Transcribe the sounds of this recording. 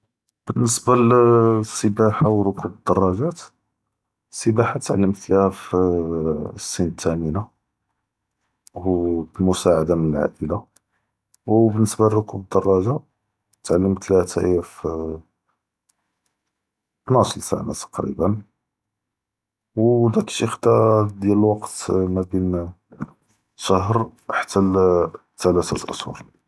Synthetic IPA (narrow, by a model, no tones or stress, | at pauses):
b̥ənːəsbalsːəbaħawɾʊkubəd̪ːɑrˤːɑʒæt̪ | sːəbaħat̪ʕalːəmt̪læf | sːint̪æməna | hublmʊsaʕad̪amənəlʕa̰ʔəla | wbənːəsbalrʊkubəd̪ːɑrˤːɑʒa | t̪ʕalːəmt̪læt̪æʔjæf | nɑslsæ̰nat̪ɑ̥qɾḭbən | wd̪ækʃixd̪ɑd̪jæləlwɑqt̪mæbin | ʃɑɦɾħḁt̪ːæ | t̪ːælæt̪ælʔə̰swṵɾˤ